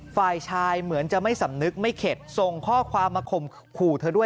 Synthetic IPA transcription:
faː˨˩jt͡ɕʰaː˧jmɯ˩˦ənt͡ɕa˨˩ma˥˩jsa˨˦mnɯ˦˥k̚ma˥˩jkʰe˨˩t̪̚so˨˩ŋkʰɔː˥˩kʰwaː˧mːaː˧kʰo˨˩m | kʰuː˨˩t̪ʰɤː˧du˥˩ə

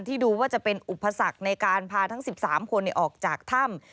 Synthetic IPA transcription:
nt̪ʰiː˥˩duː˧waː˥˩t͡ɕa˨˩pe˧nʔu˨˩pʰːa˧sa˨˩k̚na˧jkaː˧npʰaː˧t̪ʰŋsi˨˩p̚saː˩˦mkʰo˧nːɛ˧˩ʔɔː˨˩k̚t͡ɕaː˨˩k̚t̪ʰa˥˩m

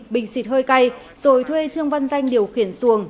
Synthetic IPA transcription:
ɓï˧˨˩ŋ̟si˨˧˥t̚həː˧jka˧j | z̥o˨˩jt̪ʰwe˧t͡ɕɨ˧əŋva˧nza˧jŋ̟ɗi˨˩əwxi˧˩ənsu˧˩əŋ

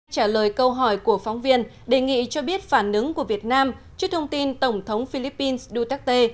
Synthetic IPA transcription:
t͡ɕaː˧˩ləː˨˩jkə˧wɦɔ˧˩jku˧˩əfa˨˦wŋ͡mvi˧ən | ɗe˨˩ŋḭ˧˨t͡ɕɔ˧ɓi˦˥ət̚faː˧˩nʔɨ˨˦ŋku˧˩əvi˨˩ət̚naː˧mt͡ɕɨ˦˥k̚t̪ʰə˧wŋ͡mt̪i˧nt̪ə˧˩wŋ͡mt̪ʰə˨˦wŋ͡mfi˧li˦˥pːi˧nsɗu˧t̪a˦˥k̚t̪e˧

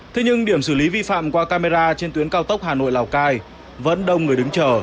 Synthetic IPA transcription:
t̪ʰe˧ɲɨ˧ŋɗi˧˩əmsɨː˧˩li˨˦vi˧fa̰ː˧˨mkwaː˧kaː˧me˧zaː˧t͡ɕe˧nt̪wənkaː˧wt̪ə˦˥k͡p̚haː˨˩no̰˧˨jlaː˨˩wkaː˧j | və̰˧˥nɗə˧wŋ͡mŋɨ˨˩əjɗɨ˨˦ŋt͡ɕəː˨˩

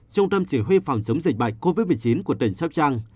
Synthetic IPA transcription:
t͡ɕʊ˧wŋ͡mt̪ə˧mt͡ɕi˧˩ɦwi˧fa˨˩wŋ͡msə˨˦wŋ͡mzi˨˩k̚ɓa̰˧˨ŋko˧vi˦˥t̚mɨ˨˩ət͡ɕi˨˦nku˧˩ət̪ə˨˩ŋ̟sɔ˦˥p̚t͡ɕaː˧ŋ

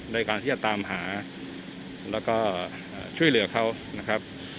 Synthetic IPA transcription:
da˥˩jkaː˧nʰiː˥˩t͡ɕa˨t̪aː˧mɦaː˩˦ | lɛː˦˥wkɔː˥˩ | ʔaː˨˩t͡ɕʰu˥˩əjlɯ˩˦ɐkʰa˦˥˩w | na˦˥kʰa˦˥p̚

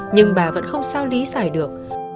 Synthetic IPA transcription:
ɲɨ˧ŋɓaː˨˩və̰˧˥nxə˧wŋ͡msaː˧wli˨˦saː˧˩jɗɨ˨˩ək̚

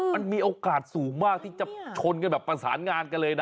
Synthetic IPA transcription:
ma˧nmiː˧ʔoː˧kaː˨˩t̪̚suː˩˦ŋmaː˥˩k̚t̪ʰiː˥˩t͡ɕa˨˩t͡ɕʰo˧nkɤ˧nbɛː˨˩pːa˧saː˩˦nŋaː˧nka˧nlɤː˧jna˦

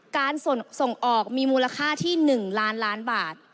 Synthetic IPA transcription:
kaː˧nso˨˩ŋso˨˩ŋʔɔː˨˩k̚miː˧muː˧la˧kʰaː˥˩t̪ʰiː˥˩nɯ˨˩ŋlaː˦˥nlaː˦˥nbaː˨˩t̪̚

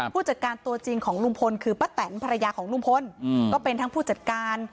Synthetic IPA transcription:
pʰuː˥˩t͡ɕa˨˩t̪̚kaː˧nt̪u˧ɐt͡ɕi˧ŋkʰɔː˩˦ŋlu˥˩mpʰo˧nkʰɯː˧pa˦˥˩t̪ːɛː˩˦npʰa˧ɾa˧jaː˧kʰɔː˩˦ŋlu˥˩mpʰo˧˥nkɔː˥˩pe˧nt̪ʰa˦˥ŋpʰuː˥˩t͡ɕa˨˩t̪̚kaː˧n

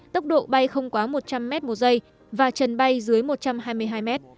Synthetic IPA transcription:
t̪ə˦˥wk͡p̚ɗo̰˧˨ɓa˧jxə˧wŋ͡mkwaː˨˦mo˨˩t̚t͡ɕa˧mːɛ˦˥t̚mo˨˩zə˧j | vaː˨˩t͡ɕə˨˩nɓa˧jzɨ˨˦əjmo˨˩t̚t͡ɕa˧mɦaː˧jmɨ˧əjɦaː˧jmɛ˦˥t̚

